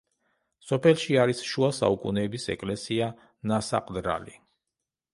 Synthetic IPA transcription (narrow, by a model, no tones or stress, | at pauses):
sɔpʰɛlˠʃiaɾisʃuasa̰ukʼṵnɛːbisɛ̰kʼlɛsia | nasa̰qʼd̪ɾa̰li